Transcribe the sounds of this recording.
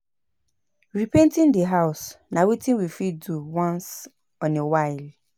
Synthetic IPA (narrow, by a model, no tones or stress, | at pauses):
ɹipɛ̃ntĩndəɦaʊsnãwitĩnwifiduwãns | ɔ̃newaɪl